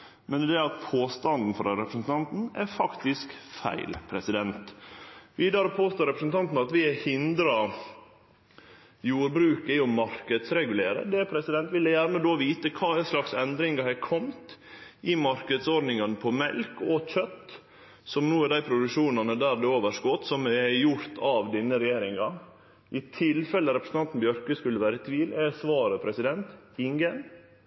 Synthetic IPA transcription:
mɛnd̪ɛɑt̪̚pʰoːst̪ɑnd̪n̩fɾʔɑɾɛpɾəsn̩t̪ʰɑnt̪n̩æɾfɑkt̪ɪskfæ̰ɪlpʰɾɛsɪd̪ɛnt̪ʋiːd̪ɑɾəpʰoːst̪oːɾɛpɾəsn̩t̪ʰɑnt̪n̩ɑt̪ʋɪæhɪnd̪ɾɑ | juːɾbɾʉːkɪjʊmɑɾkəd̪sɾɛɡʉleːɾə̰d̪ɛpʰɾɛsɪd̪ɛnt̪ʋɪlːəjæɾnəd̪oːʋiːt̪əkʰɑːɛslɑksɛnd̪ɾɪŋəhæɪkʰɔmt̪ʔɪmɑɾkəd̪sɔɾd̪nɪŋɑnəpʰɔmɛ̰lkɔc͡çœt̪ː | sɔmnuːɪd̪æɪpʰɾʊd̪ʉkʂuːnɑnəd̪æːɾd̪ɛoːʋəʂkɔt̪sɔmæjʊɾt̪ʰɑʋd̪ɪnːəɾɛjeːɾɪŋɑ | ʔɪt̪ʰɪlfɛləɾɛpɾəsn̩t̪ɑnt̪n̩bjœɾkəskʉlːəʋæːɾəɛt̪ʰʋiːlɛsʋɑːɾəpʰɾɛsɪd̪ɛnt̪ | ɪŋɡɛn

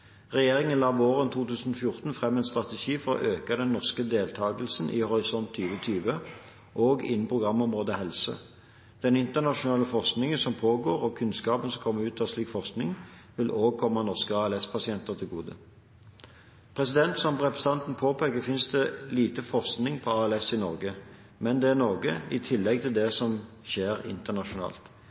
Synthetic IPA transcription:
ʁɛjeːʁɪŋənlɑːʋoːʁənt̪ʰuːt̪ʉːsn̩ɔfjʊʁt̪n̩fʁɛmːɛnst̪ʁɑt̪əʃiːfɔʁɔ̰ʔøːkəd̪ɛnːɔʁskəd̪eːlt̪ʰɑːɡəlsn̩ʔɪ̰hɔʁɪsɔnt̪ʰːyːʋət̪ʰyːʋə | ʔoːɡɪ̰nːn̩pʰʁʊɡʁɑmːɔmʁoːd̪əhɛlsə̰ | d̪̥ɛnɪnt̪əʁnɑʃʊnɑːləfɔʁsknɪŋənsɔmpʰoːɡoːʁɔkʰʉnskɑːpənsɔmkʰɔmːəʁʉːt̪ɑʋsliːkfɔʁsknɪŋ | ʋɪlʔoːɡ̚kʰɔmːɑnɔʁskəɑːɛlɛspʰɑsɪɛnt̪əʁt̪ʰɪlɡuːd̪ə̰ | pʰʁɛsɪd̪ɛnt̪sɔmpʁɛpst̪ɑnt̪n̩pʰoːpʰeːkəʁfɪnsd̪ɛliːt̪əfɔʁsknɪŋpʰɔɑːɛlɛsɪnɔʁɡə | mɛnd̪ɛæʁnoːɡəɪt̪ʰɪlːɛɡ̚t̪ʰɪld̪ɛsɔm | ʃeːʁɪ̰nt̪əʁnɑʃʊnɑ̰ːlt̪

